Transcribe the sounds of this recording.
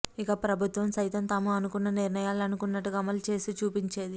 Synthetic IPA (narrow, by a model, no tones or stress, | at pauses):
ikɐpɾɐbʱut̪ʋɐmsɐjt̪ɐmt̪aːmuɐnukunːɐniɾnɐjaːlɐnukunːɐʈːuɡɐmɐlt͡ʃe̞ːsit͡ʃuːpiɲt͡ʃe̞ːd̪i